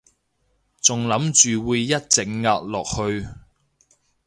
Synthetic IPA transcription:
t͡sʊ˨˩ŋlɐ˨˥mt͡ʃyː˨wuː˨˧jːɐ˥t̚t͡sɪ˨ŋ̚ŋaː˧k̚lɔː˨k̚hɵ˧ɥ

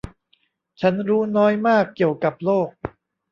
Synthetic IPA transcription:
t͡ɕʰa˦˥nɾuː˦˥nɔː˦˥jmaː˥˩kːi˨˩əwka˨˩p̚loː˥˩k̚

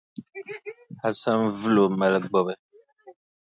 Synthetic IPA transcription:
a˨sã˦mvu˦lo˨mɛ˨lɛ˨ɡ͡bɔ˨bɛ˨

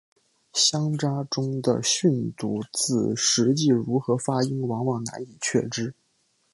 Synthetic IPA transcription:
ɕjɑ˥ŋʈ͡ʂa˥ʈ͡ʂʊ˥ŋd̪ə̰˨ɕy˥˧nt̪u˧˩t͡sɹ̩˥˩ʂɻ̩˧˥t͡ɕi˥˩ɻu˧˥xɤ˧˥fa˥i˥nwɑ˧˥ŋwɑ˨˩ŋna̰˧˥ni˨˩t͡ɕʰɥɛ̰˥˩ʈ͡ʂɻ̩˥

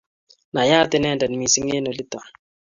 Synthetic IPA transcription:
na˨ja˦tɪ˨nɛ˦˨ndɛ˨n˨mi˨si˦ŋe˦nɔ˨li˦ta˨

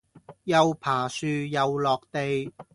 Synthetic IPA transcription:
jɐ˨wpʰaː˨˩syː˨˧jɐ˨wlɔː˨k̚t̪e˨j

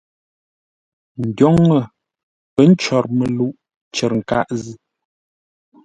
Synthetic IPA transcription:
ŋ̩˨ɟjɔ˦ŋːə˨ | pə˦n̩˦t͡ʃɔ˨ɾmə˨lu˦ʔ | t͡ʃɛ˨ɾŋ̩˨ka˦˨ʔzi˦

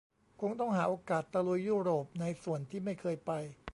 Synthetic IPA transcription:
kʰo˧ŋt̪ɔ˥˩ŋɦaː˩˦ʔoː˧kaː˨˩t̪ːa˧lu˨˧˦jːuː˥˩ɾoː˨˩p̚na˧jsu˨˩˦ənt̪ʰiː˥˩ma˥˩jkʰɤː˧jpa˧j

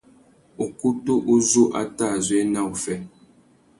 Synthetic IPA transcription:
u˨ku˦tu˦ʔu˦zu˦ʔa˦ta˦˨zwe˨˦na˦u˨fɛ˦

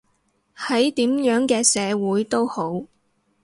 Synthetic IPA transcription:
hɐ˨˥jt̪iː˨˥mjœː˨˥ŋkɛː˧sɛː˨˧wuː˨˥jt̪o˥who˨˥w

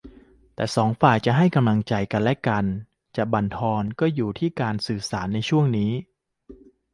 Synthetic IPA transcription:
t̪ɛː˨˩sɔː˩˦ŋfaː˨˩jt͡ɕa˨˩ɦa˥˩jka˧mla˧ŋt͡ɕa˧jka˧nlɛ˦˥ʔka˧n | t͡ɕa˨˩ba˧nt̪ʰɔː˧nkɔː˥˩juː˨˩t̪ʰiː˥˩kaː˧nsɯː˨˩saː˩˦nːa˧jt͡ɕʰu˥˩əŋniː˦˥

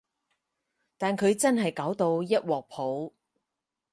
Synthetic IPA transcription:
t̪aː˨nkʰɵ˨˧ɥt͡sɐ˥nɦɐ˨jkaː˨˥wt̪o˧wjɐ˥t̚wɔː˨k̚pʰo˨˥w

